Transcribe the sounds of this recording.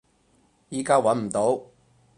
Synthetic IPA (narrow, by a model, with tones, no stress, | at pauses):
jiː˨˧kaː˥wɐ˨˥nm̩˨˩t̪o˨˥w